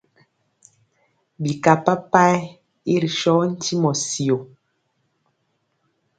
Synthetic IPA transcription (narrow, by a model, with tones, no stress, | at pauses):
bi˨ka˨pa˦pa˦ | i˦ɾi˨ʃɔ˦n̩˦ti˦mɔ˨si˨o˨